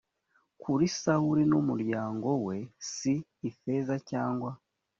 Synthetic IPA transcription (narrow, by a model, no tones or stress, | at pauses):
kʰuɾisawuɾinumuɾɟaːŋɡo̞we̞siːfe̞zacaːŋɡwa